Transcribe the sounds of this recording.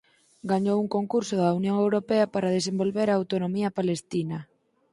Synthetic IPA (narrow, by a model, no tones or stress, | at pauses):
ɡaɲowuŋkoŋkuɾsoðaunjõŋewɾopeɐpaɾað̞esembolβeɾaːwt̪onomiɐpalest̪inɐ